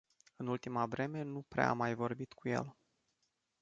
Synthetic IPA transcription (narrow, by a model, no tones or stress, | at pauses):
ɨnult̪imavɾe̞me̞nupɾḛa̰majvo̞rbit̪kuje̞̰l